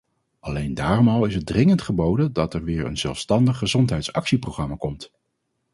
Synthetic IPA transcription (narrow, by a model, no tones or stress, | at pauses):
ʔɑlejndaːrɔmɑlˠɪsɦət̚drɪŋəntχəbowdəndɑtɛɹʋɪːɹə̰nz̥ɛ̰lˠfstɑndəχːəzɔntɦɛjtsɑ̰ksiprowχrɑmaːkɔmt